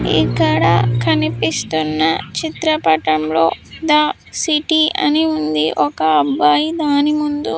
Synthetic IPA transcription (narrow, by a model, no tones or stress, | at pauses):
ḭkːɐɽɐ̰kɐnipist̪unːɐt͡ʃit̪ɾɐpɐʈɐmlo̞̰ːd̪aː | siʈiɐ̰niund̪ḭʔɔkɐːbaːjid̪aːnimund̪u